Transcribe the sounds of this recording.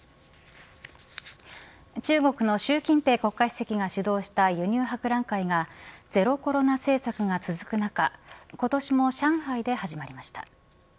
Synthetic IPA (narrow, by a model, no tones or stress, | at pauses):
t͡ɕɨːɡo̞kɯ̟no̞ɕɨːkʲĩnt̪e̞ːko̞kːai̥se̞kʲiɡaɕɨd̪o̞ːɕi̥t̪ajɯ̟ɲ̟ʲɨːɦakɯ̟ɾãŋkaiɡad͡ze̞ɾo̞ko̞ɾo̞nase̞ːsakɯ̟ɡat͡sɨzɨkɯ̟nakako̞t̪o̞ɕimo̞ɕãɰ̃haid̪e̞haʑimaɾʲimaɕi̥t̪ḁ̰